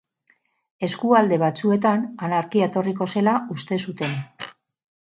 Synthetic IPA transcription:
e̞skuald̪e̞β̞at͡sue̞t̪ananaɾkiet̪o̞riko̞se̞laust̪e̞sut̪e̞n

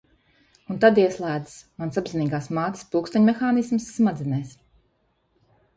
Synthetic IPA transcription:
unt̪ad̪iɛslˠæːd̪ɨ̥smansabziniːɡaːsmaːt̪spulˠkst̪aɲʲmɛxaːnismsːmad̪zʲɛnɛjs

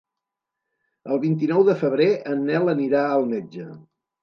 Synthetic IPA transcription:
əlˠβint̪̬inɔwðəfəβ̞ɾeʔənːɛləniɾaəlˠmɛd͡ʒə

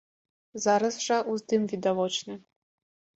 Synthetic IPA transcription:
zaɾɐsʐɐʔuzd̪ɨmvʲid̪avɔt͡ʃnɨ

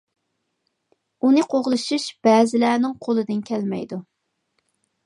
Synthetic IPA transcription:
unɨqʰoʁlˠɨʃuʃb̥ɛːzɪlæːnɪŋqʰolˠɨd̪ɪnkʲʰɛlmɛ̰jd̪u

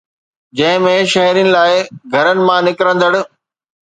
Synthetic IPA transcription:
d͡ʑɐ̃ɦɪ̃mẽʃɐɦɾijənɪ̆laːɪɡʱɐɾənɪ̆mãnɪkɾə̃nd̪əɽ̃ɪ̆

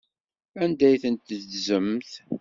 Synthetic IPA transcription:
ænd̪æjθənt̪ðzəmθ

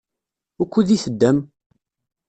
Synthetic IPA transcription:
ʊkʷːuðiθəd̪ːæm

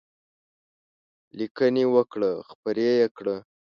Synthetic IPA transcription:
likənewəkɽəxpəɾejekɽə

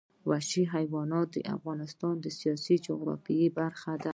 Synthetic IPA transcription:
waʃiɦajwɑnɑt̪̚d̪ə̰ʔa̰fɣɑnɪst̪ɑnd̪əsijɑsid͡ʒʊɣɾɑ̰fiibaɾxad̪a

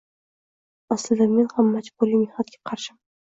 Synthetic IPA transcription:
aslɪd̪ame̞nhamːad͡ʒbolimehnɒt̪ɡʲḁqʰɑɾʃɪm

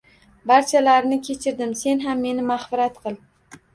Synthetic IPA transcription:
baɾt͡ʃʰalaɾnɪkʲʰe̞t͡ʃʰɪɾd̪ɪmse̞nɦamːe̞nɪmaχfɪɾat̪qʰɨlˠ

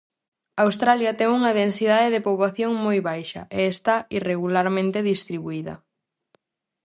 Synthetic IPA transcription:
awst̪ɾaljɐt̪ɛŋuŋɐðensið̞aðeðepoβlaθjoŋmojβajʃɐ̰ʔeːst̪aireɣulaɾmẽnt̪eðist̪ɾiβuiðɐ̰

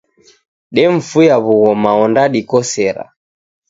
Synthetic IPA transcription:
ɗɛɱ̩fujaβuɣɔmaɔndaɗikɔsɛɾa̰

